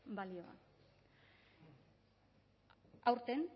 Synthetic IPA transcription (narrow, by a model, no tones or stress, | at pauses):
balio̞a̰n | awɾt̪en